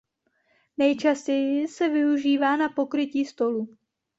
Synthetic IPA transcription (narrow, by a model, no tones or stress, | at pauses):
nɛjt͡ʃascɛjɪsɛvɪuʒiːvaːnapo̞kɾɪciːst̪o̞lu